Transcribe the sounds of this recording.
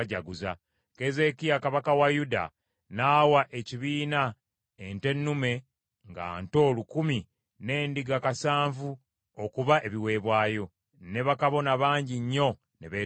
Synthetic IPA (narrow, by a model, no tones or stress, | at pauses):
ɟaɡuza̰ | ke̞ze̞kijakaβakawajuda̰ | naːwaʔe̞ciβiːna | ente̞nːume̞ | ŋɡa̰ːnto̞ːlukumi | ne̞ːndiɡakasaːɱvu | okuβaʔe̞βiwe̞ːβwaːjo̞ | ne̞βakaβo̞naβaːɲɟiɲːo̞ | ne̞βeː